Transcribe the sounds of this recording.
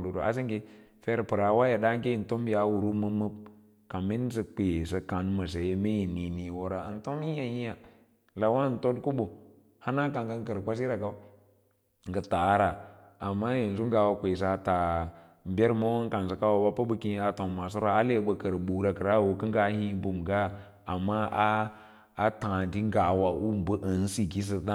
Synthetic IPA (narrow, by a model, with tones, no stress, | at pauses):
lu˨ɾo˨a̰˦s̬i˦ŋke˦fe˦ɾpɨ˨ɾa˨˦wa˦ja˨da˦ŋ˦ke˦i˨n˨to˦mbi˦a˨˦wu˨ɾu˦mə˦mə˦b̚ | ka˨mi˦n˦sə˦k͡pe˨sa˨ka˨n˦ma˨s̬e˨je˦me˦ji˨ni˨ni˨wo˦ɾa˨ə̰˨n˦to˦m˦i˦ja˦ji˦ja˨ | la˨wa˦˨n˨to˦dku˦bu˨ | ha˦na˦ka˨ŋɡə˦ŋ˦kə˨ɾkʷa˦s̬i˦ɾa˨ɡa˦ | ŋɡə˨ta˨˦ɾa˨ | a˨mːa˦je˨n˨zu˦ŋ˦ɡa˨wa˨kʷe˨s̬a˨a˨ta˨˦ | bʲe˦ɾma˦wa˦ŋ˦ka˨n˨s̬a˨ka˦wa˨ba˦pa˦bə˦ki˦a˨to˨ma˨s̬o˦ɾa˨a˦le˦ɓə˨kə˨ɾɓu˨ɾa˨kə˨ɾa˦˨wo˨kə˦ŋɡa˦hi˦bu˨mɡa˦ | a˨mːa˦aː˦ | tã˨di˦ŋ˦ɡa˨wa˨ʔu˦m˦bə˦ʔə˨n˦si˨ki˦s̬ə˦ɗa˦